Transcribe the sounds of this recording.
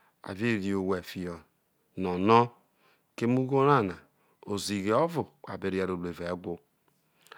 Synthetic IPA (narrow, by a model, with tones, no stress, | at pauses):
a̰˨ve˦˨ɾi˨o˨we˨fi˨ɔ˨ | nɔ˨nɔ˦ | ke˦mu˦ɡo˦ɾa˦˨na˨ | o˨zi˨ɣe˨ɔ˦vʊ˨k͡pa̰˨be˨ɾi˨a˨ɾo˨be˨ve˨˦ɡʷʊ˦